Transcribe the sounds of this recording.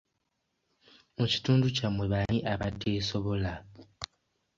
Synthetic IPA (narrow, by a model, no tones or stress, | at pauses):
muci̥tuːnducamwe̞βaniʔaβadːeːso̞βo̞la